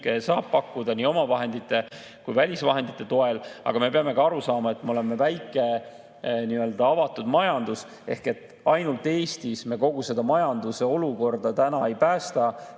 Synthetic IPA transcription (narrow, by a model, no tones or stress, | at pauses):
kesɑːb̥̚pɑkːud̪ɑniːo̞mɑvɑɦe̞nd̪it̪ːˑe̞ | kujvælʲisvɑɦe̞nd̪̥it̪ˑːe̞t̪o̞e̞lɑ̰ɡ̥ɑme̞peɑme̞ɡ̥ɑɑɾusɑːmɑe̞t̪ːmeo̞le̞mevæjkːˑe̞ | niø̞ld̪̥ɑɑvɑt̪ːˑud̪̥mɑjɑnd̪̥us | e̞hke̞t̪ːˑ | ɑjnult̪ːˑe̞ːst̪isme̞ko̞ɡ̥use̞d̪̥ɑmɑjɑnd̪̥use̞o̞luko̞rd̪ɑt̪ænɑe̞jpæːst̪ɑ